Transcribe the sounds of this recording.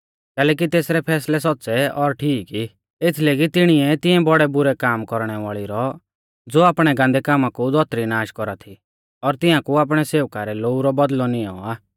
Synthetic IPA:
kɛːlɛːk̬it̪eːsɾɛpʰɛːslɛsɔtːsɛɔɾʈʰiːki | et̪ʰleːɡit̪ɪɽ̃iɛt̪ɪɛ̃bɔɽɛbʊɾɛkaːmkɔɾɽ̃ɛʋaːɭiɾɔ | d͡zoːaːpɽ̃ɛɡãːnd̪ɛkaːmakud̪ɔt̪ɾinaːʃkɔɾat̪ʰi | ɔɾt̪ɪãkuaːp̬ɽ̃ɛseːʋkaɾɛloːuɾɔbɔd̪lɔnɪjɔ̰̃aː

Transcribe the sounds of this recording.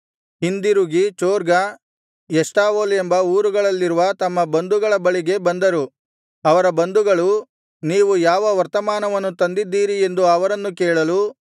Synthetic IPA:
ɦind̪iɾuɡit͡ʃoːɾɡɐ | jɛsʈaːʋoːle̞mbɐuːɾuɡɐɭɐlːiɾuʋɐt̪ɐmːɐbɐnd̪uɡɐɭɐbɐɭiɡe̞bɐnd̪ɐɾu | ɐʋɐɾɐbɐnd̪uɡɐɭu | niːʋujaːʋɐʋɐɾt̪ɐmaːnɐʋɐnːut̪ɐnd̪id̪ːiːɾie̞nd̪uɐʋɐɾɐnːukɛːɭɐlu

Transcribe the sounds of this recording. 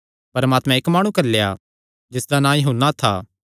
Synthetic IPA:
pɐɾmaːt̪mɛ̃eːkmaːɽ̃ũkɐɾleja̰ː | d͡ʒɪsd̪anãːjɦuːnːat̪ʰa̰ː

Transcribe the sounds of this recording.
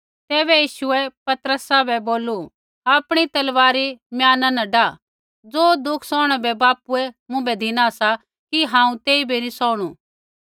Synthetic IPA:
t̪ɛːbɛjiːʃʊɛpɐt̪əɾəsabɛboːlu | aːpɽ̃it̪ɐlʋaːɾimjaːnãnɐ̃ɖa | d͡zoːd̪ʊkʰsɔːɽ̃ɛbɛbaːpuɛmʊ̃bɛd̪ʱɪnasa | kiɦãːũt̪eːibʱinĩsɔːɽ̃ṵ

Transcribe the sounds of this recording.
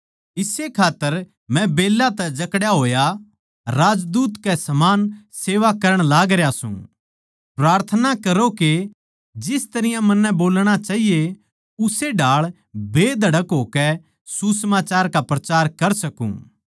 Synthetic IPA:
ɪsekʰaːt̪ːəɾ | mɛ̃beːlːat̪ɛd͡ʒɐkɽjaɦoːja | ɾaːd͡ʒd̪uːt̪kɛsɐmaːnseːʋakɐɾəɽ̃laːɡɾejasṵ̃ | pɾaːɾt̪ʰənakɐɾoke | d͡ʒɪst̪ɐɾɪjãmɐnːɛ̃boːlɽ̃at͡ʃaːɦije | ʊseɖʱaːɭ | bʱeːd̪ʱɐɽəkɦoːkɛ | susəmaːt͡ʃaːɾkapɾɐt͡ʃaːɾkɐɾsɐkṵ̃ː

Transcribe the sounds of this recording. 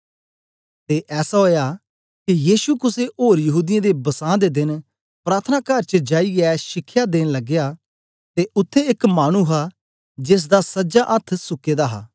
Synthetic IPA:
t̪eːʔɛːsaɦoːja | kijiːʃukʊseʔoːɾjɐɦuːd̪ɪjãd̪ebɐsãːd̪ed̪ɪn | pɾaːt̪ʰənaːkəɾt͡ʃəd͡ʒaːiɛʃɪkʰːjad̪eːnlɐɡjaː | t̪eʔʊt̪ʰːeɪkmaːɽ̃uɦa | d͡ʒes̬d̪asɐd͡ʒaʔɐt̪ʰsʊkeːd̪aɦa̰ː

